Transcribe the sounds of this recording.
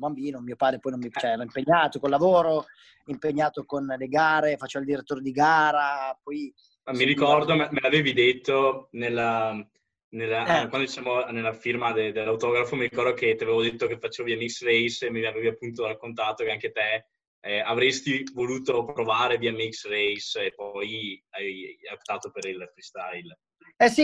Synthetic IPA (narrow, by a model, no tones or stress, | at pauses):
bambiːnomiːopaːd̪ɾepɔjnõmit͡ʃt͡ʃɛlɔimpeɲːaːt̪okolavoːɾo | impeɲːaːt̪okonleɡaːɾefat͡ʃːevild̪iɾet̪ːoːɾed̪iɡaːɾapɔj | amiɾikɔrd̪ommelaveːvid̪et̪ːonelːa | nelːakwand̪ot͡ʃisaːmonelːafirmad̪ed̪elːawt̪ɔːɡɾafomiɾikɔrd̪ok̟et̪iaveːvod̪et̪ːok̟efat͡ʃːeːvoviɛmiksrejsemeaveːviapːunt̪oɾakːont̪aːt̪okeaŋket̪e | avɾest̪ivoluːt̪opɾovaːɾeviɛmiksrejsepːɔjajaopt̪aːt̪opeɾilfɾist̪ajl | ɛsi